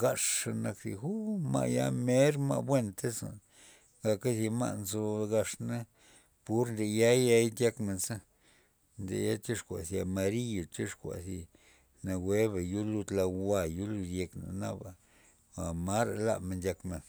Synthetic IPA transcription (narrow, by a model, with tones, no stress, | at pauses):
ɡa˧ʂa˧na˧ksḭ˧xu˦ma̰˧ʔja̰˧me˦ɾma̰˧bwe˦nt̪e˦sa̰˨n | ɡa˧ka˦si˧ma̰˧ʔnzo˧ɡa˧ʂna˦ | pu˦ɾnd̪e˧ja˦jja˧jd̪ʲja˧kme˧nsa˦ | nd̪ḛ˨ja˦t͡ʃi˦ʂkʷa̰˨sja˧ma˧ɾi˦jo˨t͡ʃi˦ʂkʷa̰˨si˧ | na˧we˦βa˨ju˦lu˧d̪la˧wa˧ju˦lu˧d̪je˧kna̰˨na˦ba˨ | a˨ma˦ɾa˨la̰˦˧me˧ndʲja˧kme˨n